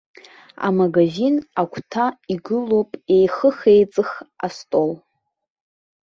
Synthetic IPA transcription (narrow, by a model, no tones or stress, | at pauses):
a̰maɡaʒinakʷʰtʰaiɡɨlopʼe̞jχəχejt͡sʼɨχastʼol